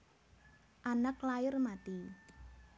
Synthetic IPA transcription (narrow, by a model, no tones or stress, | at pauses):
ʔanaklajɪrmat̪i